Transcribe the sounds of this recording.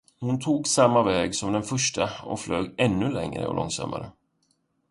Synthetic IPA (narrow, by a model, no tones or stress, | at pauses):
hʊnt̪ʰuːɡsamːavɛːɡsɔmd̪ɛnfœʂʈaɔfløːɡɛnːɵlɛŋɾə̰ɔ̰lɔŋsa̰mːa̰ɾə